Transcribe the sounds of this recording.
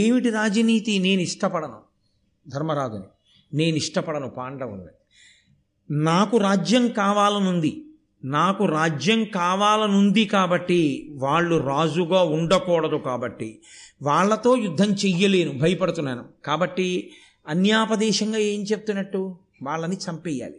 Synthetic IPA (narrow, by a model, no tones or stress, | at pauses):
eːmiʈiɾaːd͡ʒɐniːt̪ine̞ːnuiʂʈɐpɐɽɐnṵ | d̪ʱɐɾmɐɾaːd͡ʒ̪uni | ne̞ːniʂʈɐpɐɽɐnupaːɳɖɐʋṵnd̪ḭ | naːkuɾaːd͡ʒjɐŋkaːʋaːlɐnund̪i | naːkuɾaːd͡ʒjɐŋkaːʋaːlɐnund̪ikaːbɐʈːiʋaːɭːuɾaːd͡ʒuɡaːuɳɖɐkɔːɽɐd̪ukaːbɐʈːi | ʋaːɭːɐt̪o̞ːjud̪ʱːɐmt͡ʃɛjːɐle̞ːnubʱɐjɐpɐɽut̪unːɐːnukaːbɐʈːi | ɐnjaːpɐd̪ɛːʃɐŋɡaːe̞ːnt͡ʃe̞p̚ut̪unːɐʈːu | ʋaːɭːɐnit͡ʃɐmpɛjːa̰ːli